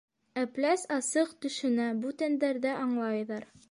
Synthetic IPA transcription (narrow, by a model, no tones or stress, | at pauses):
æplæsɑsɤqt̪ɵ̆ʃɵ̆næbut̪ænd̪æɾðæʔɑɴlˠɑjðɑɾ